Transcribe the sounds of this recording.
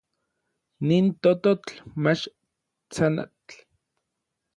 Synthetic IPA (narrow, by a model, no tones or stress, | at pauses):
niːnt̪ot̪ot͡ɬmat͡ʃ | t͡sana̰t͡ɬ